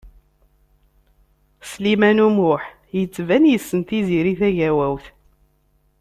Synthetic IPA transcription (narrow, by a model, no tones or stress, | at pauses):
slimænumʊħ | jət͡sːvænjəsːənt̪iziɾiθæʝæwæwθ